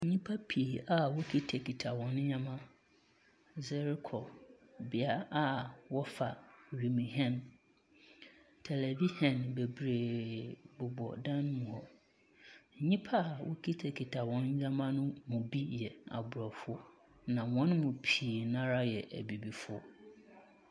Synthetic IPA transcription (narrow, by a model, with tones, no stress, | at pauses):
ɲĩ˦pʰa˦pʰi˨a˨wʊ˦kʰi˦tʰɛ˨kʰi˨tʰa˨wɔ̃˨n˦ɲã˦mã˦ | zɛ˦ɾɪ˦kʰɔ˨bɪ˨a˦a˦wɔ˦fa˨ɥi˨mĩ˨ɦɛ̃˦n | tʰɛ˨lɛ˨vi˦hɛ̃˨nbe˨bɾeː˨bʊ˨bɔ̰˨dã˦n˦mũ˨ɔ˨ | ɲĩ˦pʰa˦˨wʔʊ˦kʰi˦tʰɛ˨kʰi˨tʰa˨wɔ̃˨˦n˦ɲã˦mã˦nʊ̃˦mũ˨bi˦jɛ˨a̰˨bʊ˨ɾɔ˨fʊ˦ɔ˦ | nã˨wɔ̃˦n˦mʊ̃˨pʰiː˨nã˦ɾa˦jɛ˨ʔæ̰˨bi˨bi˨fʊ˦ɔ˦